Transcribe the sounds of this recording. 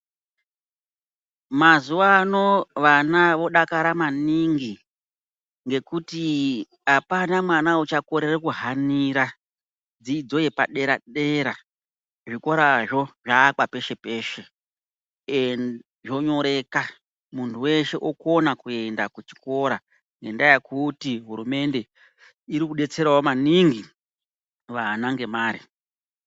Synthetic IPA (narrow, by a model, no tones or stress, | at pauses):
mazuwano̞ʋanaʋo̞ɗakaɾamaniŋɡi | ŋɡe̞kuti | ɦapanamwanaut͡ʃakoɾerekuɦaniɾa | d͡ziːd͡zo̞jepaɗe̞ɾaɗe̞ɾa | ʐiko̞ɾaʐo̞ʐaːk͡pape̞ʃe̞pe̞ːʃe̞ | e | ʐo̞ɲo̞ɾe̞ka | muntʰuwe̞ʃe̞ʔoko̞nakue̞ndakut͡ʃi̥ko̞ɾa | ŋɡe̞ndajekutiɦuɾume̞nde̞ | iɾikuɗe̞t͡se̞ɾawomaniŋɡi | ʋanaŋɡe̞maːɾi